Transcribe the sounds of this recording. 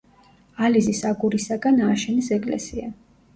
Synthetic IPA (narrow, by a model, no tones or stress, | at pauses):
alizisaɡuɾisaɡanaːʃɛnisɛkʼlɛ̰sia